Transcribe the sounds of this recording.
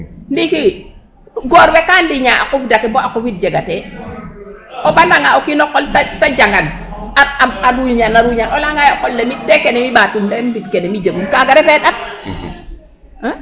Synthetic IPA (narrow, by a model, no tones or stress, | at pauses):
ndiki | ɡɔːɾwɛkaːndiɲaːʔa̰kɔfidakɛbɔʔakɔfit̚d͡ʒeɡatɛ | ɔbalaŋaɔkinɔkːɔltatad͡ʒaŋanaaaɾuɲanaɾuɲanɔlaŋajɔkɔlːemidɛkɛnɛmibatundɛnbit̚kɛnɛmid͡ʒəɡunkaɡaɾɛfɛɗat̚